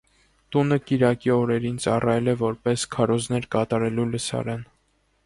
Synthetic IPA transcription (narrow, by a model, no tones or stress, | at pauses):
t̪unəkiɾɑkiɔɾɛɾint͡sɑrɑjɛlɛvɔɾpɛskʰɑɾɔznɛɾkɑt̪ɑɾɛluləsɑ̰ɾɑn